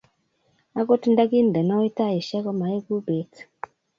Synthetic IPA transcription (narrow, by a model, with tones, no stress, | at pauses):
a˦ko˦ti˦nda˦ki˦n˨dɛ˨nɔ˦e˦ta˦˨ji˨ʃɛ˦kɔ˦ma˨e˦ku˦be˨t